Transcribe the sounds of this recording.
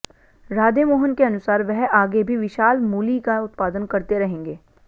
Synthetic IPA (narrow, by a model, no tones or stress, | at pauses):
ɾaːd̪emoːɦənkeɐnʊsaːɾʋɛɦaːɡebʱiʋɪʃaːlmuːlikaʊt̪paːd̪ənkɐɾt̪eɾɐɦẽːŋɡeː